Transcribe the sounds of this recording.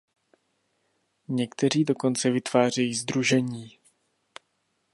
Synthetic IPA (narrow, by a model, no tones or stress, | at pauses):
ɲɛkt̪ɛr̝iːdo̞ko̞nt͡sɛvɪt̪v̥aːr̝ɛjiːzd̪ɾuʒɛɲiː